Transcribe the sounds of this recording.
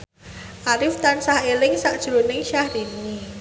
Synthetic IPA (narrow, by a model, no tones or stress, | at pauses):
ʔaɾɪft̪ansahelɪŋsaʔd̥ʒ̥ɾunɪŋʃahɾini